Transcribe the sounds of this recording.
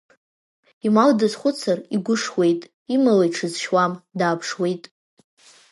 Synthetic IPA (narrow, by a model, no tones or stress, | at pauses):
imaldɨzχʷʊt͡sʰariɡʷʊʂwe̞jtʼ | imalejʈ͡ʂʰɨzʃwamdaːpʰʂwe̞jtʼ